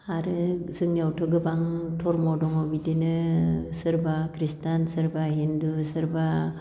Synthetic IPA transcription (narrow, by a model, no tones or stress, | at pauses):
aɾɯzɯŋniawtʰɔɡɯbaŋtʰɔɾmɔdɔŋɔbidenɯsɯɾbakʰɾistansɯɾbaɦindusɯɾba